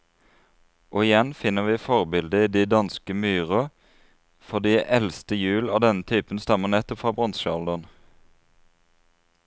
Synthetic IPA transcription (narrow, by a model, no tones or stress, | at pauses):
ʔoːɪjɛnfɪnəʋiːfɔʁbɪld̪əiːd̪iːd̪ɑnskəmyːʁɔ | fɔd̪iːʔɛlst̪əjʉːlɑːd̪ɛnət̪ʰyːpənst̪ɑmənɛt̪ːɔpfʁɑːbʁɔnʃəɑld̪ɔn